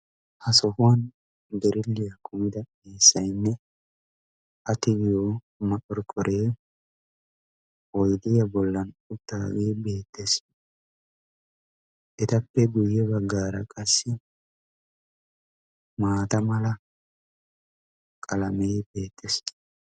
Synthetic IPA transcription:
hɐsɔhʊwɐn | b̪ɛɾɪlːɪjɐkʰʊmɪd̪ɐ | eːsːɐjnːɛ | ʔɐt̪ɪɡɪjo | mɐʔʼɔɾkʼːɔɾʔeː | wɔjd̪ɪjɐbɔlːɐnʊt̪ːaːɡiːbe̞ːt̪ʰːes | ʔɛt̪ɐpːɛɡʊjːɛbɐɡːaːɾɐkʼɐsːɪ | maːt̪ɐmɐlɐ | kʼɐlɐmɛjbeːt̪ːɛs

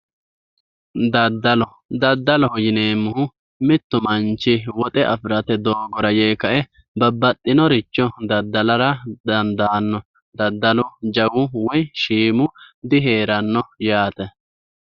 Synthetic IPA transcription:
d̪ɐd̪ːɐlɔ | d̪ɐd̪ːɐlɔhjɪneːmːʊhʊ | mɪt̪ːʊmɐnt͡ʃːɪwɔt̪ʼɛʔɐfɾɐt̪ɛd̪oːɡɔɾɐjeːkɐʔɛ | bɐbːɐt̪ʼːɪnɔɾɪt͡ʃːɔd̪ɐd̪ːɐlɐɾɐd̪ɐnd̪aːnːɔ | d̪ɐd̪ːɐlʊd͡ʒɐwʊwɔjʃiːmʊd̪ɪɦe̞ːɾɐnːɔjaːt̪ɛ

